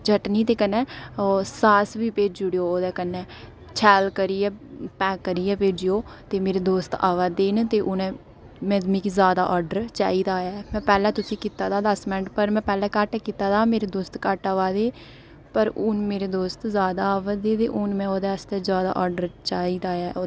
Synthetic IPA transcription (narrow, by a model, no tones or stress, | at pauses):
d͡ʒəʈniːt̪eːkənːɛ̃ːsaːsʋiːpeːd͡ʒʊɽoːoːd̪ɛːkənːɛː | t͡ʃʰɛːlkəɾiːɛːpɛːkːəɾiːɛːpeːd͡ʒɪoːt̪eːmeːɾeːd̪oːst̪aːʋad̪eːnt̪eːʔʊnɛ̃ː | mɛ̃ːmĩːkizjaːd̪aːʔɔːɾɖəɾt͡ʃa̰ːiːd̪aːjɛːmɛ̃ːpɛːlɛːt̪ʊsĩːkiːt̪aːt̪aːd̪əsmɪnəʈpəɾmɛ̃ːpɛːlɛːkəʈːkiːt̪aːd̪aːmeːɾeːd̪oːst̪kəʈaːʋaːd̪eː | pəɾʊnmeːɾeːd̪oːst̪zaːd̪aːʋad̪eːd̪eːʔʊnmɛ̃ːoːd̪ɛːəst̪ɛːzjaːd̪a̰ːʔɔːɖəɾt͡ʃaːiːd̪aːaːoː